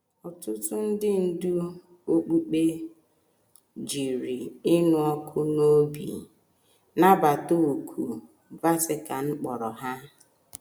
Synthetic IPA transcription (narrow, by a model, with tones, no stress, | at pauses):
ɔ˨tʊ˦tʊ˦n̩˦dɪ˦n̩˦du˦ | o˦k͡pu˦k͡pe˦ | d͡ʒi˨ɾi˨ɪ˦nʊ˨ɔ˦kʰʊ˦no˦bḭ˨ | na˦ba˨to˦o˨kʰu˨ | va˦sɪ˦ka˨ŋ͡m̩˦k͡pɔ˨ɾɔ˨ɦa˦